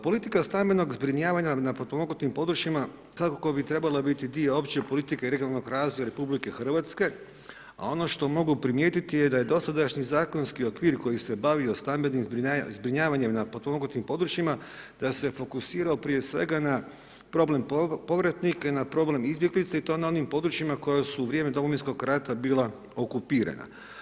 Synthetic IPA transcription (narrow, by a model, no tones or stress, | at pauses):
po̞lit̪ikast̪ambeno̞ɡzbɾiɲaːʋaɲanapot̪omoɡut̪impo̞d̪ɾut͡ʃima | kakoko̞bit̪ɾe̞balabit̪id̪ieo̞pt͡ɕepo̞lit̪ikeiɾeɡjonalˠnoɡɾaːzʋojaɾe̞publike̞xr̩ʋat̪ske̞ | a̰o̞no̞ʃt̪o̞mo̞ɡupɾimjeːt̪it̪ijed̪aje̞d̪o̞sad̪aʃɲizaːko̞nskio̞kʋiːɾko̞jise̞baʋiost̪ambenimzbɾiazbɾiɲaːʋaɲemnapot̪omoɡut̪impo̞d̪ɾut͡ʃima | d̪̥ase̞fo̞kusiːɾaopɾijesʋe̞̰ɡana | pɾo̞ble̞mppo̞ʋɾat̪nikanapɾo̞ble̞mizbjeɡlit̪sait̪o̞ːnao̞nimpo̞d̪ɾut͡ʃimako̞jasuːʋɾʲje̞ːmed̪o̞moʋinsko̞ɡɾat̪abiːlˠa | o̞kupiːɾa̰na̰